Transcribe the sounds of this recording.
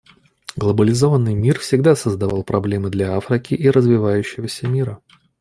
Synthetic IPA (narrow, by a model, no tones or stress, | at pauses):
ɡlˠəbəlʲɪzo̞vənːɨjmʲirfsʲɪɡd̪asəzd̪ɐvɑlˠpɾɐblʲe̞mɨd̪lʲaafɾʲɪkʲɪʔiɾəzvʲɪvajʉɕːɪvəsʲəmʲiɾə